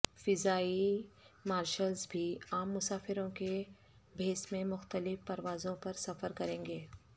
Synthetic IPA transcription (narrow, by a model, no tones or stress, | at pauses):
fɪzaːimaːɾʃəlzbʱiːaːmːʊsaːfɪɾõke | bʱeːsmẽmʊxt̪əlɪfpɐɾʋaːzõpɐɾsɐfəɾkɐɾẽːŋɡeː